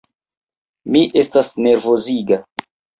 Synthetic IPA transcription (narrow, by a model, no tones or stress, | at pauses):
miʔe̞stasne̞ɾvo̞ziɡa